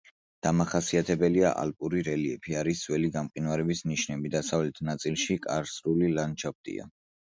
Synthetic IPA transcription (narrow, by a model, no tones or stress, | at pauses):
d̪̥amaχasiat̪ʰɛbɛliaʔa̰lpʼuɾiɾɛliɛpʰiaɾiswɛliɡamqʼinwaɾɛbisniʃnɛbid̪asavlɛt̪ʰnat̪sʼilˠʃikʼa̰ɾsɾulilant͡ʃʰap̚t̪ʼḭa̰